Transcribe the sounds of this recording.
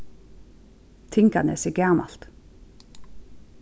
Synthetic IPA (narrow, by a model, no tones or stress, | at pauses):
t̪ʰɪŋkɑ̰nɛ̰ːsɛɡæʁmɑ̰l̥t̪